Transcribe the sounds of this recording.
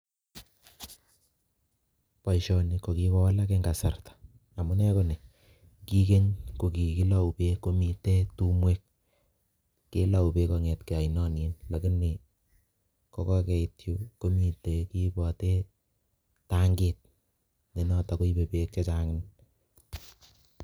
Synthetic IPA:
pa˨iʃɔ˨ni˨ko˨ki˦βɔ˦wa˦la˦ke˦ŋɡa˨sa˨rtḁ˨ | a˨mu˦nɛ˦ko˦ne˨ | ki˦ke˦ɲko˨ki˨ki˦la˨u˨pe˦ko˦mi˨te˦tu˦mwe˦k̚ | e˦la˨u˨pe˦kɔ˨ŋɛ˨tke˨a˨inɔ˦ni˨nlɐ˨ki˦ni˨ | kɔ˨kɔ˦kɛ˨itju˦ko˦mi˨tːe˨ki˦bɔ˨te˦ | ta˦ŋɡet̚ | ne˨nɔ˨ta˨ko˦i˦be˨pe˨k̚t͡ʃɔ˦t͡ʃa˦ŋɪ˦n

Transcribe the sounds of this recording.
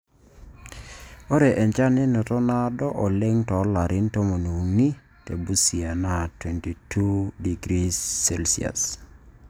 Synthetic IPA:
o˦ɾe˨ʔɛ˨ɲt͡ʃa˦nɛ˦no˨tɔ˦na˦dɔ˦ʔɔ˨lɛ˦ŋtɔ˨˦la˨ɾʔɪ˦nto˦mo˨nu˨ni˦ | te˨bu˦si˨a˨na˨twɛ˨nti˨tʰu˦di˨ɡɾi˦sɛ˦lsi˨a̰˨s

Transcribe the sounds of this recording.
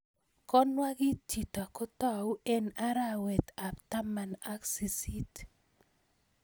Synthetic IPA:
kɔ˦nwa˦ɡɪ˦t͡ʃi˨ta˨kɔ˦tɔ˦wɛ˦na˦ɾa˦wɛ˨t̪a˨pta˦ma˨na˦ksi˨si˦t

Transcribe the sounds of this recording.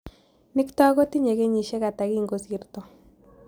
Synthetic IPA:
nɪ˦kita˦ɣo˦ti˦ɲe˨ɣe˦ɲi˨ʃe˦ɣa˨ta˨ɣi˦ŋɡo˦si˨ɾto˨

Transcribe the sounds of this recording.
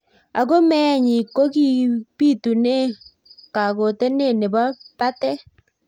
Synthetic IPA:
a˨ɣo˦mɛ˦˨ɲi˨ko˦ɣi˦pi˦tu˨ne˦ | ka˨ɣo˨tɛ˦ne˦˨ne˨βa˦pa˦tɛ˦

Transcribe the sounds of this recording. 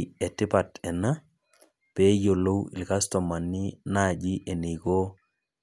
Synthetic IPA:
ɛtɪ˦pa˨tɛ˨na˦ | pɛ˦jo˨lo˦wɪ̰˨lkastɔ˨ma˨nːɪ˦na˦˨d͡ʒi˦ʔe˨ne˨ko˦

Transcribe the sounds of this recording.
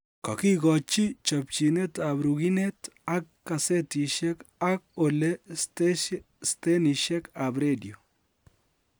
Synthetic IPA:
kɔ˨ki˦ɡɔ˨t͡ʃi˦t͡ʃɔ˨p̚t͡ʃi˨ne˦ta˨bɾu˨ɡi˦ne˦ta˦kːa˨se˦ti˨ʃɛ˦ka˦k̚o˨le˦ | ste˦ni˨ʃɛ˦ka˨bɾe˦di˨o˨

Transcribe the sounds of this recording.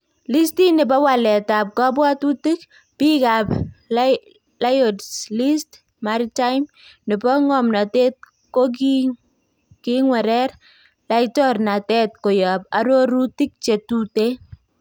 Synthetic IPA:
li˦sti˦nɪ˨bɔ˦wa˨lɛ˨ta˨p̚kɔ˦bwa˦tu˦ti˦k | pi˦ka˨p | la˦jo˨dsli˦st | maɾita˦jm | nɪ˨bɔ˦ŋɔ˨mna˨te˦t̚ | ko˦k | kiŋwɛ˨ɾɛ˦r | la˦itɔ˦rna˨tɛ˦t̚ko˨ja˨p̚a˦ɾo˦ɾu˦ti˦k̚t͡ʃe˨tu˨te˦

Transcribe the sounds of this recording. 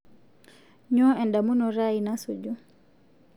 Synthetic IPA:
ɲɔɛ˨ndamu˦nɔ˨ɾa˦ina˦sud͡ʒu˦

